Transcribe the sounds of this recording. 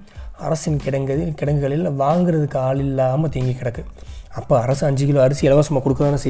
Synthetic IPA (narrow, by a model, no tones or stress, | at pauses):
ɐ̰ɾɐsɪnkɪɽɐŋɡɐðɪkɪɽɐŋɡɯɣɐɭɪlʋaːŋɡɪɾɐðɯkːaːɭɪlːaːmɐt̪iːŋɡikːɪɽɐkːɯɐpːoːɐɾɐsɯɐɲd͡ʒɪkɪloːɐɾɪsiɛlɐʋaːsʊmːaːkʊɽɯkːɐðaːnɯsɛ